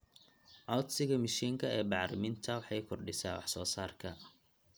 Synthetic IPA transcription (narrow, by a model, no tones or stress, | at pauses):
ʕɑwt̪sɪɣɐmɪʃiːŋkʰɐɛːbɑʕɾɪmɪnt̪ʰɐwɑħɑjkʰɔrɖɪsa̰ːwɑ̰ħsɔːsaːrkʰɐ